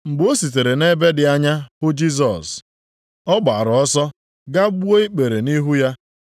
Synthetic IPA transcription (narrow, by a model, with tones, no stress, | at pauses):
ŋ͡m̩˨ɡ͡bo˦si˨t̬e˨ɾe˨ne˦be˦dɪ˨a˦ɲa˦bʊ˦d͡ʒi˦s̬ɔ̰˨s | ɔ˦ɡ͡ba˨ɾɔ˦sɔ˦ | ɡa˦ɡ͡bu˦o˦i˦k͡pe˨ɾe˨ni˦ɦu˦ja˦